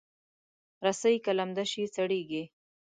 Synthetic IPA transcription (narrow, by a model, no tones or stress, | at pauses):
ɾasəjkalamd̪aʃit͡saɽeɡi